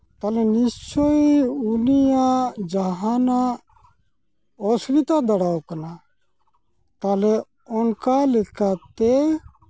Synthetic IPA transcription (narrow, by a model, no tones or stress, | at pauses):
t̪alɛnist͡ʃoiunijad͡ʒaɦana | ɔsɡit̪ad̪əɽaːwkəna | t̪aːle | ɔnkalekʰat̪e